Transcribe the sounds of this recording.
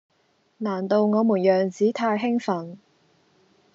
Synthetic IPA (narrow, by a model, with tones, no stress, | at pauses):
naː˨˩nt̪o˨˧wŋɔː˨˧muː˨˩njœː˨˩ŋt͡siː˨˥t̪ʰaː˧jɦɪ˥ŋfɐ˨˩n